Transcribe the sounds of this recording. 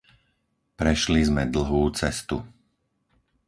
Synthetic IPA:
pɾɛʃlizmɛd̪l̩ˠɦuːt͡sɛst̪ṵ

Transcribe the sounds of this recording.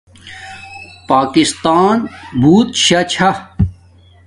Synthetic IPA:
paːkist̪aːnbʱuːt̪ɕɐt͡ɕʰɐ

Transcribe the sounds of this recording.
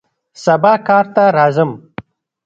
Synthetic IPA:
sɐbaːkɑːɾt̪aɾɑːzəm

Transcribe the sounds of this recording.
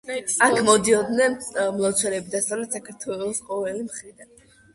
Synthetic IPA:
akʰmɔd̪iɔd̪nɛnmlˠat̪sʰwɛɾɛbid̪ast̪ʼɔɾɛdt̪sakʰaɾt̪ʰwɛlˠɔsqʼɔvɛlimχɾid̪an

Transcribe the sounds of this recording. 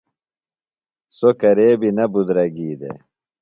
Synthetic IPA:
sokɐɾeːbinɐbud̪ɾɐɡiːd̪ḛ

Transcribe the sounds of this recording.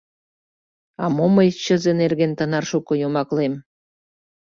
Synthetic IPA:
ɑmoməjt͡ɕə̆zenerɣent̪ənɑrʃukŏjomɑklem

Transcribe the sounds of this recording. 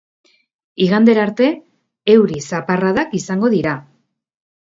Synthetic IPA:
iɣand̪e̞ɾaɾt̪e̞ː | wɾisaparaðakisaŋɡo̞ðiɾa

